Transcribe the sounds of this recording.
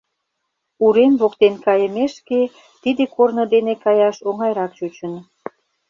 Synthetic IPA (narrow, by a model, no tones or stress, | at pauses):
uɾenβokt̪enkɑjə̆meʃke | t̪id̪ekornəd̪enekɑjɑʃoŋɑjɾɑk̚t͡ɕut͡ɕə̆n